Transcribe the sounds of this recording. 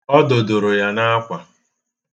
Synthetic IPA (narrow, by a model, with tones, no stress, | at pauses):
ɔ˦do˨do˨ɾo˨ja˦na˦a˦kʷa˨